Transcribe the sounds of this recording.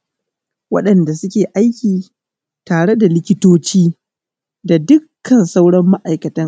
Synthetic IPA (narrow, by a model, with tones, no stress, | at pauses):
wɐ̰˦ɗɐ˨nda˨sʊ˦kʲeː˨ʔa˦jkʲiː˨ | taː˨ɽe˦da˨lɪ˦kʲɪ˦toː˦t͡ʃiː˦ | da˨dʊ˦kʰːɐ˨nsa˦wɽɐ˦mːa˦ʔa˨jkɐ˨tɐ˦ŋ